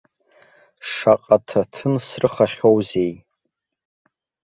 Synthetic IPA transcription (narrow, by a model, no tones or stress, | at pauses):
ʂaqʼatʰatʰɨnsrɨχaʃowzej